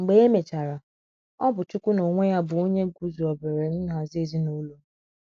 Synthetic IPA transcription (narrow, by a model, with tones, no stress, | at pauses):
ŋ͡m̩˨ɡ͡be˨˦e˦me˨t͡ʃa˨ɾa˨ | ɔ˦bʊ˨t͡ʃu˦kʷu˦no˨ŋʷe˦ja˦bʊ˨o˦ɲe˦ɡu˦zu˨ɔ˨be˨ɾe˨n̩˦a˨ze˨zi˦no˦lo˦